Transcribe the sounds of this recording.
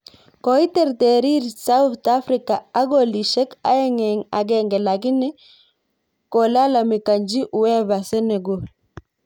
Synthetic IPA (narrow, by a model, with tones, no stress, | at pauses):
ko˨i˦tɛ˨ɾte˨ɾi˦ɾsa˦u˦ta˦fɾi˨ka˨a˦ɡo˦˨li˨ʃɛ˦ka̰˦ɛ˦ŋɛ˨ŋa˨ɡɛ˨ŋɡɛ˨la˨ɡi˦nɛ˦ | ko˨la˦la˨mi˨ka˨ɲd͡ʒi˦ʔu˨wɛ˦βa˨sɛ˦ne˨ɡo˦